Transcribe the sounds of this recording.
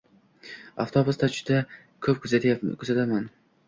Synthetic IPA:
aft̪ʰobʊst̪ʰat͡ʃʰʊ̥d̪a | kʰɵp̚kʰɵzat̪ʰajakʰɵzat̪ʰaman

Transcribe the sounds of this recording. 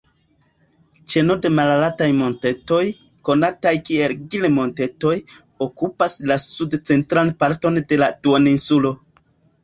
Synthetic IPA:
t͡ʃe̞no̞de̞malalatajmo̞nte̞to̞j | ko̞natajkie̞lɡilemo̞nte̞to̞j | o̞kupaslasudt͡se̞ntɾanpaɾto̞nde̞latuaninsulo̞

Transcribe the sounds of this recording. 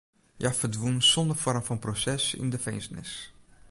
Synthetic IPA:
jafərdʋunsɔndərfɔrmfɔnprosɛsɪ̰ndəfejnsnɪ̰s

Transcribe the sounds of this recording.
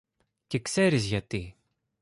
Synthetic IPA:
cekse̞ɾizʝɐt̪i

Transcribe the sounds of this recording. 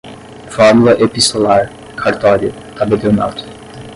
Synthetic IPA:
fɔɾmulɐʔepist̪olaɾ | kʰaɾt̪ɔɾiu | t̪abelewna̰t̪ʊ̥

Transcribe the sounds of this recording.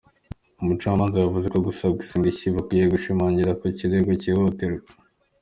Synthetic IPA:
umut͡ʃaːmaːnzawavuzekoɡusabɡisiːndiciβukijeɡuʃimaːɲɟiɾakociɾeɡocihoteɾe

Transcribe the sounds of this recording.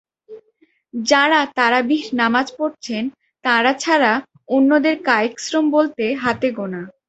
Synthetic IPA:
d͡ʑaɾat̪aɾabiɾnamad͡ʑpoɾt͡ɕʰen | t̪aɾat͡ɕʰaɾa | onːod̪eɾkaeksɾombolt̪eɦat̪eɡona

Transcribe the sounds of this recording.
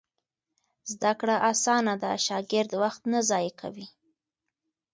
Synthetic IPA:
zd̪akɽaʔasɑnad̪əʃɑɡɪɾd̪waxt̪nazɑjekʰa̰wi

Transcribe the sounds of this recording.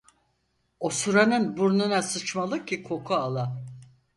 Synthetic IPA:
osuɾanɯnbuɾnunasɯt͡ʃmalˠɯcʰːikʰo̞kʰualˠa

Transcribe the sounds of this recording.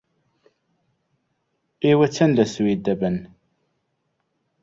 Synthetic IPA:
iwæt͡sːænlæsuwid̪æbən

